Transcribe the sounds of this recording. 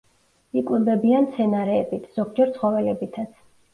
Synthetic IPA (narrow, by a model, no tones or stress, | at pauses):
ikʼwɛbɛbiant̪sʰɛnaɾɛːbit̪ʰz̥ɔɡd͡ʒɛɾt̪sʰχɔvɛlɛbit̪ʰat̪sʰ